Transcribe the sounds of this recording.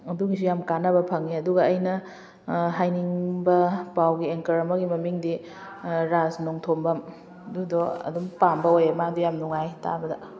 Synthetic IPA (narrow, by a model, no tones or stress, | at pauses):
ɐduɡisujamkanɐbɐpʰɐŋiɐduɡɐːjnɐ | ɦajniŋbɐpawɡieŋkɐɾɐmɐɡimɐmiŋdi | ɾaznoŋtʰombɐm | ɐdudɔɐ̰dumpambɐojamadijamnuŋajta̰bɐdɐ